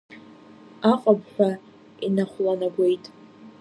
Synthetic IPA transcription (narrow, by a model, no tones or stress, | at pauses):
aqʼabħʷᶣa | inaχʷlanaɡʷe̞jtʼ